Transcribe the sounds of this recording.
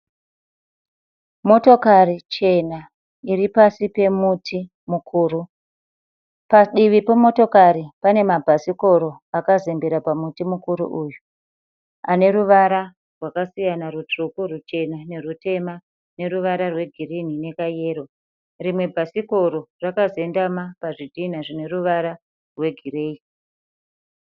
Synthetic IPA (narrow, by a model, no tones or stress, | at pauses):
mo̞to̞karit͡ʃe̞na | iripasipe̞mutʰi | mukʰuːɾu | paɗiʋipomo̞to̞kaɾipane̞mabʱasiko̞ɾo̞akazembeɾapamutimukuɾṵʔuju | ane̞ɾuʋaɾa | rwakasijanarut͡ʂukurut͡ʃe̞nane̞rute̞ma | ne̞ruʋaɾarwe̞ɡʱirin̤ine̞kaje̞ːɾo̞ | rimwe̞bʱasiko̞ɾo̞rakaze̞ndamapaʐidʱin̤aʐine̞ruʋaɾa | rwe̞ɡʱire̞ːi